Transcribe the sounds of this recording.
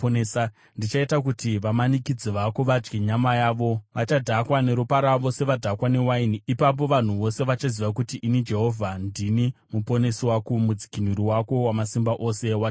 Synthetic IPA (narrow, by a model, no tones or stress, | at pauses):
sa | ndit͡ʃaitak̬utiʋamanikid͡ziʋakoʋad͡ʒɡeɲamajaːʋo̞ʋat͡ʃadʱakwane̞ɾupaɾaʋo̞se̞ʋadʱakwane̞wainiipap̬o̞ʋan̤uʋo̞se̞ʋat͡ʃaziʋak̬utiʔinid͡ʒe̞ɦo̞vʱandinimupo̞ne̞swakumud͡zi̥kinuɾiwako̞wamasimbaʔo̞se̞wa